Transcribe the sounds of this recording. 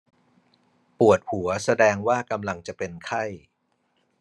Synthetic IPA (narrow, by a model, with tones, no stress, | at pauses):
pu˨˩ət̪̚hu˩˦ɐsa˧dɛː˧ŋwaː˥˩ka˧mla˧ŋt͡ɕa˨˩pe˧nkʰa˥˩j